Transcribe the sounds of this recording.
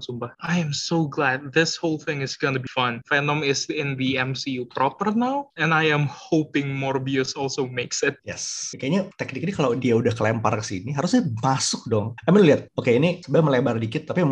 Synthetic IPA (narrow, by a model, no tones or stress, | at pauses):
sumpahʔajɛ̃msoɡlæd̚ðɪshoʊlˠθɪ̃ŋɪsɡonubifʌ̃nfɛnɔ̃mɪsɪ̃nðiɛ̃msiupɾɔpərnawɛ̃najɛ̃mhopɪ̃ŋmɔɹbjusɔlˠsomeksɪt̪̚jɛskajaɲat̪ɛk̚nɪk̚ɲakalawdiaudahkəlɛmpa̰rkə̥siniɦaɾʊsamasʊk̚dɔŋaminliɦat̪̚okeinisəbaməlebardikɪt̪ːapi